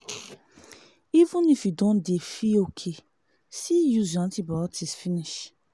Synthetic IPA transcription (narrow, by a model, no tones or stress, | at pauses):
ivə̃nifjudõndefiokʰe | sijuzd͡ʒãntibɔɔtʰisfiniʃ